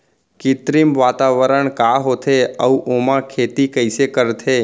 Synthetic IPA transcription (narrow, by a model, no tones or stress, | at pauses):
kɪt̪ɾimʋaːt̪aʋəɾəɳkaɦot̪ʰeəũʔomãkʰeːt̪ikəɪsekəɾt̪ʰe